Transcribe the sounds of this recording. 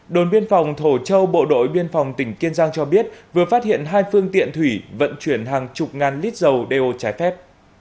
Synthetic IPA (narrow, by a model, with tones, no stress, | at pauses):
ɗo˨˩nɓi˧ənfa˨˩wŋ͡mt̪ʰo˧˩t͡ɕə˧wɓo̰˧˨ɗo̰˧˥jɓi˧ənfa˨˩wŋ͡mt̪ï˧˩ŋ̟ki˧ənzaː˧ŋt͡ɕɔ˧ɓi˦˥ət̚vɨ˨˩əfaː˦˥t̚hḭ˧˨ənɦaː˧jfɨ˧əŋt̪ḭ˧˨ənt̪ʰwi˧˩və̰˧˨nt͡ɕwi˧˩ənɦaː˨˩ŋt͡ɕʊ˨˩k͡p̚ŋaː˨˩nli˦˥t̚zə˨˩wɗe˧ʔo˧t͡ɕaː˨˦jfɛ˦˥p̚